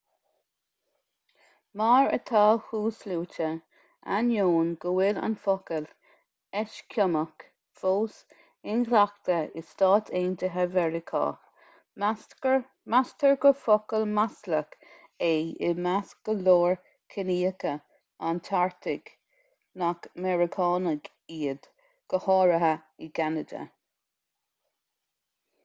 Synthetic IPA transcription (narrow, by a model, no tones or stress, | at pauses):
maːɹə̰t̪ʰɑːhuːsluːt͡ʃə | a̰njoːnɡəwɪla̰nfɔkəl | ɛʃkʰʊmək | foːs | ɪnɡlakt̪əɪstɑːt̪ʰeːnt̪ʰəɦavɛɹɪkʰɑ̰ː | mastʰəɹɡəfokəlmaslək | eɪ̰masɡ̥əloːɹ | kʰɪniːəkə | ant̪ʰaɹt̪ʰɪɡ̥ | nakmɛɹɪkʰɑːnəɡ | iːəd̪ | ɡ̥əhɑːɹəɦəɪɡanəd̪ə̰